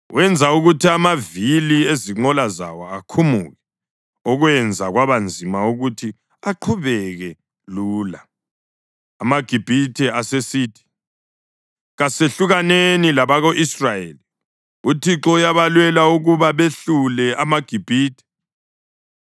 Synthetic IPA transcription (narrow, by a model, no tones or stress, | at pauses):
wʔɛnd͡zʱauɣutʰiamavilieziŋ͡ǃɔlaza̰wɔakʰumuɣɛ | ɔɣwɛnd͡zʱaɣwaβand͡zʱimauɣutʰi | aǃʰuβɛɣɛ | luːla | maɡ̥ʱib̥ʱitʰɛasesiːtʰi̥ | ɣaseɬuɣanenilaβaɣoʔisrajeli | utʰiǁɔujaβalwɛlauɣuβaβeɬulɛamaɡ̥ʱib̥ʱiːtʰɛ̥